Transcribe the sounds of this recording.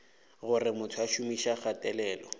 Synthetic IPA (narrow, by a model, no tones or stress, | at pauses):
ɣʊrɪmʊtʰʊaʃumiʃaχatʼɛlɛːlɔ